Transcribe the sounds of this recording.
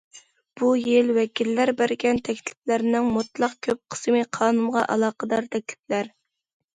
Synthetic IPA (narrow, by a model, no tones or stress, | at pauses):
b̥ujɪlwɛkʲilːæɾbæɾɡʲɛnt̪ʰɛkʲt̪ʰɪ̥plæɾnɪŋmut̪lˠɑq̚kʲʰøp̚qʰə̥smɨqʰɑːnumʁɑʔɑ̰lˠɑːqəd̪ɑɾt̪ʰɛk̚ʲlɪ̥plæɾ